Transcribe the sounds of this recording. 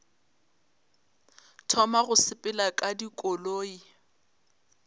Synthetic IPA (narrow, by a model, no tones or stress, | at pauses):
tʰɔmaɣʊsɪpʼɪlakʼadikʼɔloːi